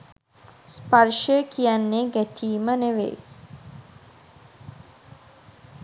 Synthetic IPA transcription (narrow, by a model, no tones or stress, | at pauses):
spaɾʃəkijanːeɡætʰiːməneʋḛ